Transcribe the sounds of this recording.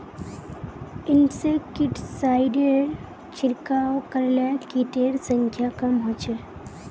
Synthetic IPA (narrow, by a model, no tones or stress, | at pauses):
ɪnsekɪʈsaɪɖeɾ | t͡ʃʰɪɾkawkəɾlakiʈeɾsə̃ŋkʰjakɐmɦoːt͡ʃʰe